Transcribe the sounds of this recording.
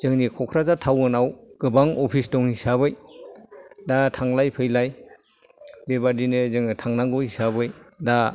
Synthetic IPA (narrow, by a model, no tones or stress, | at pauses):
z̥ɯŋnikʰɔkʰɾazatʰawɯnawɡ̥ɯbaŋɔpʰisdɔŋhisaβɯj | datʰaŋlajpʰɯjlaj | bebadinezɯŋɯtʰaŋnaŋɡɔhisabɯjda